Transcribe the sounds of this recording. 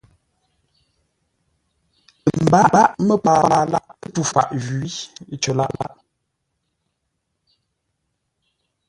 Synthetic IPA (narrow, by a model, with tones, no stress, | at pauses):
m̩˨ba˦ba˦ʔmə˦pa˨a˨la˦ʔtu˦fa̰˨ʔɣɥi˦t͡ʃə˨la̰˦˨ʔla̰˦ʔ